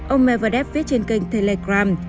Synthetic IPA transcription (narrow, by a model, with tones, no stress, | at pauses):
ʔə˧wŋ͡mmɛ˧˩və˨˧˩ɗɛ˦˥p̚vi˦˥ət̚t͡ɕe˧nkï˧˩ŋ̟t̪ʰe˧le˧˩ɣɾaː˧m